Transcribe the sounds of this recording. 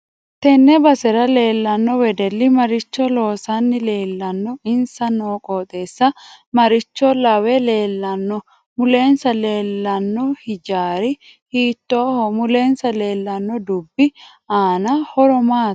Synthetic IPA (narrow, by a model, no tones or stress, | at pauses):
t̪ɛnːɛbɐsɛɾɐle̞ːlːɐnːɔwɛd̪ɛlːɪmɐɾɪt͡ʃːɔlo̞ːsɐnːɪle̞ːlːɐnːɔɪnsɐnoːkʼoːt̪ʼeːsːɐmɐɾɪt͡ʃːɔlɐwɛle̞ːlːɐnːɔ | mʊle̞ːnsɐle̞ːlːɐnːɔhɪd͡ʒaːɾɪ | hiːt̪ːoːhɔmʊleːnsɐle̞ːlːɐnːɔd̪ʊbːɪ | aːnɐhɔɾɔmaː